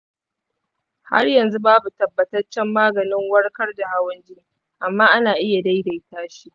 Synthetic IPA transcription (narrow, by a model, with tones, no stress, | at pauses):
ha̰˦rjɐ˨nzu˦baː˦bu˨tɐ˨bːɐ˨tɐ˦rt͡ʃɛ˦mːaː˦ɡɐ˨nɪ˦ŋwɐ˦rkɐ˦rda˨ha˦wɐ˦nd͡ʒɪ˦ | ʔa˨mːaː˦ʔa˦naː˨ʔɪ˦ja˨da˦jda˨jtaː˦ʃi˦